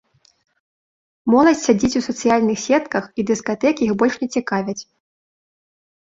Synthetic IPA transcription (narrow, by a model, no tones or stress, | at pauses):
mɔlˠɐsʲtʲsʲad͡zʲit͡sʲusɐt̪sɨjalʲnɨxsʲɛt̪kɐxid̪ɨskat̪ɛkʲixbɔlʲʂnʲɛt͡sʲikavʲɐt͡sʲ